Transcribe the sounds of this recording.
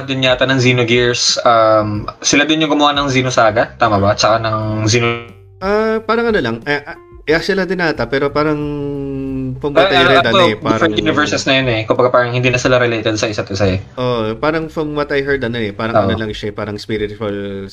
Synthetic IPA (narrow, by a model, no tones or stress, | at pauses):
d̪ɪnɲaːt̪ɐnɐŋziːnoɡiɹsɐmsɪlad̪onjʊŋɡʊmʊhanɐŋziːnosaːɡɐt̪aːmɐbat͡ʃɐkanɐŋziːno | ʔapaːɾɐŋʔɐnolɐŋʔɐʔ | ʔɛasɪlɐd̪ɪnaːt̪ɐpɛːɾo̞paːɾɐŋ | pɐmɐɐjɛd̪ɐnɛpaːɾɐɾɛt̪junɪvɛɹsɛsnɐjonɛkʊmbɐɡapaːɾɐŋhɪnd̪iːnɐsɪlaɾɛlejt̪ɛd̪̚sɐʔɪsat̪ʔɪsaɛʔopaːɾɐŋpɐmmɐt̪ɐjɦɛɹd̪ɐnonɛpaːɾɐɐnolɐŋʃaɛpaːɾɐŋspiɾɪt̪wɐl